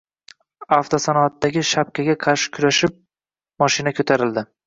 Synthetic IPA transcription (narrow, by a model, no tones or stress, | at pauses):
aft̪ʰosanɒat̪ːaɡʲɪʃap̚kʲʰaɡʲaqʰɑɾʃɪ̥kʲʰʊɾaʃɪp̚ | mɒʃɪnakʰot̪ʰaɾɪld̪ɪ